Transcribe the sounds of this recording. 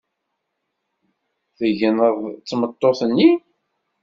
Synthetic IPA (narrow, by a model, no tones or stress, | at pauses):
θəʝənəðˤt͡sːmət̪ˤːoθənːi